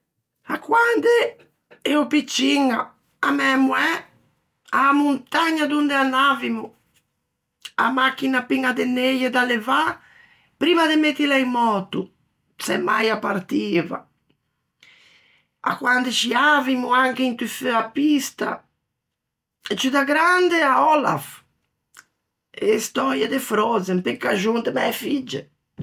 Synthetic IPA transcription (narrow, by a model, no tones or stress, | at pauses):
akːwand̪ɛ | ɛupit͡ʃːiŋa | amɛmuɛ | amunt̪aɲːad̪und̪ɛanːavimu | a̰makːinapiŋad̪ɛneʎɔd̪alɛva | pɾiːmad̪emet̪ːilɛjmɔːt̪u | sɛ̰mːa̰japːaɾt̪iːva̰ | a̰kwand̪et͡ʃiavimuaŋkeint̪iføapist̪a̰ | ɛt͡ʃːid̪aɡɾand̪eaɔla̰f | ɛst̪ɔɾjad̪efɾɔzɛmpekːaʒund̪emɛɛfid͡ʒːɛ